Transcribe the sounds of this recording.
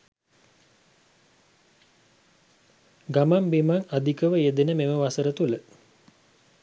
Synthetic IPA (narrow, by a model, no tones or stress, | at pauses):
ɡamambimaŋad̪ikəʋəjed̪enəmeməʋasəɾət̪ulə